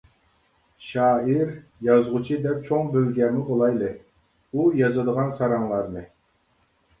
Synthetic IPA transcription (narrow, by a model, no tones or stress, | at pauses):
ʃɑːiɾjɑzʁʊt͡ʃʰid̪ɛp̚t͡ʃʰoŋbølɡʲɛɾmɪʔolˠɑjlˠɨ | ujɑzɨd̪əʁɑnsɑɾɑŋlˠɑɾnɨ